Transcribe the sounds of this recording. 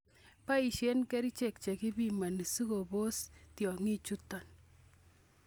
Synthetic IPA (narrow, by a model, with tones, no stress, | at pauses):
pa˦i˨ʃje˦nkɛ˦ɾi˦t͡ʃe˨k̚t͡ʃe˨ki˦bi˨ma˨ni˨su˦ko˨bo˦stjɔ˨ŋi˦t͡ʃu˦tɔ˨n